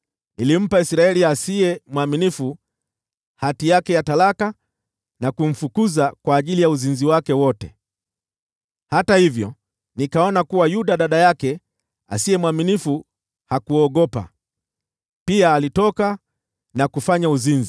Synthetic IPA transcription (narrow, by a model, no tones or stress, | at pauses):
nilim̩paisɾaɛliasiɛmwaminifu | hatijakɛjatalaka | nakum̩fukuzakwaːʄilijauzinziwakɛwɔtɛ | hatahivjɔ | nikaɔnakuwajuɗaɗaɗajakɛ | a̰siɛmwaminifu | hakuɔɠɔpa̰ | piaːlitɔka | nakufaɲauzinzi